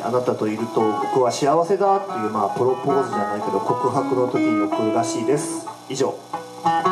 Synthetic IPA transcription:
a̰nat̪at̪oiɾɯ̟t̪o̞bo̞kɯ̟βaɕiaβase̞d̪at̪ːe̞jɯ̟ːmaːpɯ̟ɾo̞po̞ːzɨdaanaike̞d̪o̞ko̞kɯ̟ɦakɯ̟no̞t̪o̞kʲiɲiotːoɾɯ̟ɾaɕiːd̪e̞sɨ̥ | iʑo̞̰ː

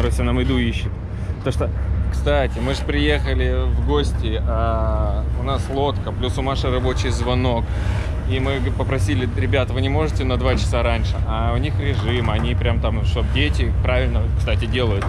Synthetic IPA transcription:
ɐɾosʲanamɪd̪uiɕːɪt̪ | pt̪ɐmʂt̪okst̪atʲɪmɨʐɨpɾʲɪje̞xəlʲɪvɡo̞sʲtʲɪa | ʊnaslˠo̞t̪kəplʲusʊmaʂəɾɐbo̞t͡ɕɪjzvɐno̞k | imɨpəpɾɐsʲilʲɪɾʲɪbʲat̪əvɨnʲɪmo̞ʐɨtʲɪnəd̪vat͡ɕɪ̥saɾanʲʂɨʔaʊnʲixɾʲɪʐɨmɐnʲipɾʲamt̪amʂt̪ob̚dʲetʲɪpɾavʲɪlʲnəkst̪atʲɪdʲe̞lˠəjʊt̪

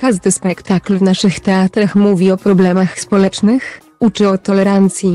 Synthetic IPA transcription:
kaʐd̪ɘspɛkt̪aklvnaʂɘxt̪ɛat̪ɾaxmuvʲiɔpɾɔblɛmaxspɔlɛt͡ʂnɘx | ut͡ʂɘɔt̪ɔlɛɾant̪sʲji

